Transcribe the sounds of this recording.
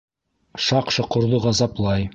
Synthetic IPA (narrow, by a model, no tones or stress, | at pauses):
ʃɑqʃɤ̆qŏɾd̪ɤʁɑzɑplˠɑj